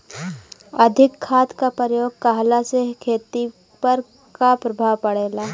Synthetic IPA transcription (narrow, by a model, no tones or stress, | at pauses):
ɐd̪ʱɪkʰːaːt̪kapəɾjoːɡ̚kaɦlasekʰeːt̪i | pɐɾ | kapɾɐbʱaːʋpɐɽeːlaː